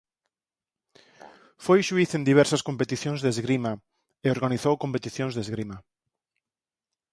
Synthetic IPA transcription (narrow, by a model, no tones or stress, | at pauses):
fojʃuiθend̪iβɛɾsɐskompet̪iθjõŋzðezɣɾima | eoɾɣaniθowkõmpet̪iθjõŋzðezɣɾima